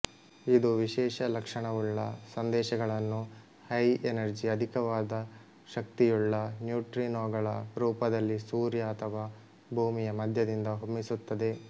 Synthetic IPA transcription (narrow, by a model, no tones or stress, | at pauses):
id̪uʋiʃɛːʃɐlɐkʂɐɳɐʋuɭːɐ̰sɐnd̪ɛːʃɐɡɐɭɐnːu | hɐjenɐɾd͡ʒiɐd̪ʱikɐʋaːd̪ɐ | ʃɐk̚t̪ijuɭːɐnjuːʈɾinoːɡɐɭɐɾuːpɐd̪ɐlːisuːɾjɐːt̪ʰɐʋaː | bʱuːmijɐmɐd̪ʱjɐd̪ind̪ɐɦomːisut̪ːɐd̪e̞